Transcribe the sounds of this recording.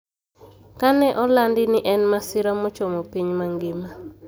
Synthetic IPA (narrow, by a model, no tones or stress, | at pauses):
kanɛʔɔlandɪnɪʔɛnmasɪɾamɔt͡ʃomopiɲmaŋɡɪma